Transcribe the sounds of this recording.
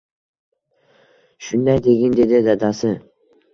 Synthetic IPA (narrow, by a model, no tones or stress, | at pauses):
ʃʊnd̪ajd̪eɡʲɪnd̪ed̪ɪd̪ad̪asɪ